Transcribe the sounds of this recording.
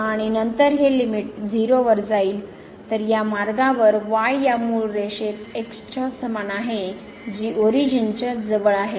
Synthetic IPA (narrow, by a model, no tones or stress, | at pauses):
aɽ̃inənt̪əɾɦelimiʈ̚d͡ziɾoʋəɾd͡zaiːl | t̪əɾjamaɾɡaʋəɾʋajjamuːɭɾeɕet̪eksʈɾasəmanaɦe | d͡ʑiːʔoɾid͡ʑənt͡ɕad͡zəʋəɭaɦe